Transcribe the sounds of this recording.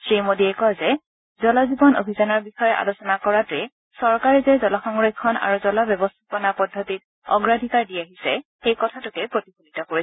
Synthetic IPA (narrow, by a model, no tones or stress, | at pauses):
sɹimodiɛkɔzɛ | zɔlazibɔno̰bʱizanɔɹbixɔjɔa̰losɔnakɔɹatɛ | sɔɹkaɹɛzɛzɔlaxɔŋɹekʰːɔna̰ɹuzɔlabjɔbɔstʰapɔnapɔdʱːɔtit̚ | ɔ̰ɡɹadʱikaɹdiaɦisɛ̰xejkɔtʰatʊkɛpɹotixunitɔkoɹisɛ